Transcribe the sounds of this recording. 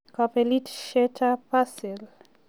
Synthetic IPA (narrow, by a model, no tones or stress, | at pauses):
kapelitʃɛtʰapasɛl